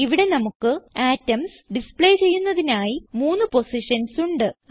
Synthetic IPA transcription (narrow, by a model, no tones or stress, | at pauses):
iʋiɽe̞nɐmukːɨaːtːɐms | ɖispɭe̞jt͡ɕe̞jːunːɐðinaːjimuːnːɨpo̞siʂɐnsuɳɖɨ